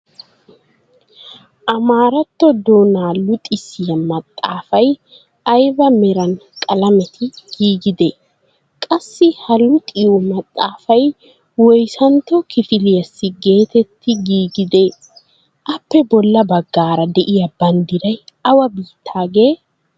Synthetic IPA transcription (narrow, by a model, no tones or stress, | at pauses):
ʔɐmaːɾɐt̪ːɔd̪oːnaːlʊt̪ʼɪsɪjɐmɐt̪ʼːaːfɐj | ɐjbɐmɛɾɐnkʼɐlɐmɛt̪ʰɪɡ̥iːɡɪd̪eː | kʼɐsːɪhɐlʊt̪ʼɪɔmɐt̪ʼːaːfɐj | wɔjsɐnt̪ːɔkɪfɪlɪjɐsːɪɡe̞ːt̪ɛt̪ʰːɪɡiːɡɪd̪e̞ː | ʔɐpːɛbɔlːɐbɐɡːaːɾɐd̪ɛʔɪjɐbɐnd̪ɪɾɐjɐwɐbiːt̪ʰːaːɡe̞ː